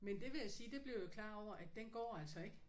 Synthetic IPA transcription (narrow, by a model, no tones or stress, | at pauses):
mend̥e̝ʋe̝jæsiːd̥e̝b̥liɐjo̝kʰlɑ̰̈ːɒʊ̰ɐʔæd̥ːenɡ̥ɒ̰ːæl̰sɒ̽e̝ɡ̥